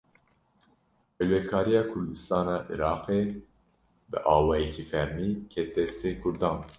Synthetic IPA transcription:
hɛlwɛkʰɑːɾijɑːkʰʊɾd̪ɨst̪ɑːnɑːʔḭɾɑːqeː | bɨ̰ʔɑːwɑːjɛkʰiːfæɾmiːkʰɛt̪ːɛst̪eːkʰʊɾd̪ɑːn

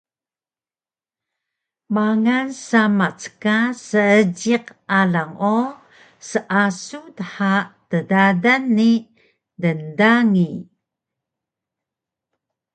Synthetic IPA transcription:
maŋansamat͡sə̥kasəəd͡ʑiqalaŋo | səʔasutəħatədadanːi | dəndaŋi

